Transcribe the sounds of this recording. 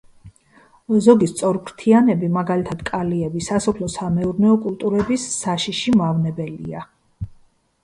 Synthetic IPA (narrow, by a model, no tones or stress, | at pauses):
zɔɡist̪sʼɔɾkʰɾt̪ʰianɛbimaɡalit̪ʰad̪̥kʼaliɛbisasɔpʰlɔsamɛuɾnɛɔkʼulˠt̪ʼuɾɛbisːaʃiʃimavnɛbɛlḭa